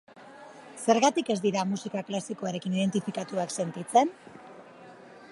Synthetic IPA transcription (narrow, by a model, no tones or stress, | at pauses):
se̞ɾɣat̪ike̞zd̪iɾamusikaklasikoaɾe̞kiniðe̞nt̪ifikat̪uakse̞nt̪it͡se̞n